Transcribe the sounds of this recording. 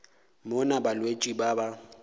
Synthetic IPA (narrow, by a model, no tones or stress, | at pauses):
mʊnabalwet͡ʃʼibaba